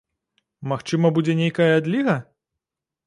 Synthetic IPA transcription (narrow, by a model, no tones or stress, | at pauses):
maxt͡ʂɨmɐbud͡zʲɛnʲejkɐjɐad̪lʲiɣɐ